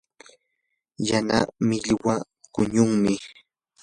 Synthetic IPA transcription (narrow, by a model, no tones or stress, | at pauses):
jana̰mɪʎwa | kʊɲʊŋmɪ